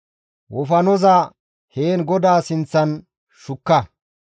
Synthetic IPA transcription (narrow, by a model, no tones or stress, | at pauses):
wɔfɐnɔzɐ | heːnɡɔd̪aːsɪnt͡sːɐn | ʃʊkːɐ